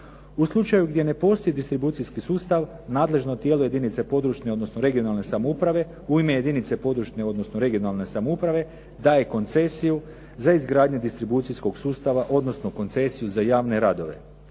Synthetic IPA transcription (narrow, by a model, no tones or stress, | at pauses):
uslˠut͡ʃajuɡd̪je̞ne̞po̞st̪oid̪ist̪ɾibuːt̪sijskisuːst̪aʋ | naːd̪le̞ʒnot̪jeːluje̞d̪init̪se̞po̞d̪ɾuʃneo̞d̪no̞snoɾe̞ɡio̞nalˠne̞samoupɾaʋe̞ | uime̞je̞d̪init̪se̞po̞d̪ɾuʃne̞o̞d̪no̞snoɾe̞ɡio̞nalˠne̞samoupɾaʋe̞ | d̪aːje̞ko̞nt̪se̞siju | zaizɡɾaːd̪ɲud̪ist̪ɾibut̪sijsko̞ɡsuːst̪aʋaʔo̞d̪no̞sno̞ko̞nt̪se̞sijuzajaːʋne̞ɾad̪o̞ʋe̞̰